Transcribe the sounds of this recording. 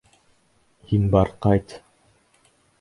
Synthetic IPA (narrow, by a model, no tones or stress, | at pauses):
hinbɑɾqɑjt̪